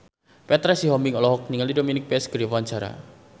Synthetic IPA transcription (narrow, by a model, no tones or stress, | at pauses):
pɛt̪ɾɛsiɦɔmɪŋɔlɔɦɔk̚niŋəlidominɪk̚peɛsɡ̥ɾifand͡ʒaɾa̰